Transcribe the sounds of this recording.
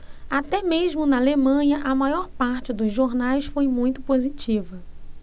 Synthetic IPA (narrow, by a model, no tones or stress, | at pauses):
at̪ɛmeʒmʊnɐalemɐ̃ɲɐʔɐmajɔɾpaɾt͡ʃɪd̪ʊzʒoɾnajsfojmũj̃t̪ʊpozit͡ʃivɐ